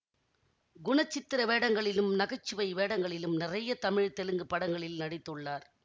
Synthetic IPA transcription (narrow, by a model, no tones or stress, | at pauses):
ɡʊɳɐt͡ʃːɪt̪ːɪɾɐʋeːɽɐŋɡɐɭɪlɯmnɐɣɐt͡ʃːɯʋɐɪʋeːɽɐŋɡɐɭɪlɯmnɪrɐjɐt̪ɐmɪɻt̪ɛlɯŋɡɯpːɐɽɐŋɡɐɭɪlnɐɽɪt̪ːɯɭːaːɾ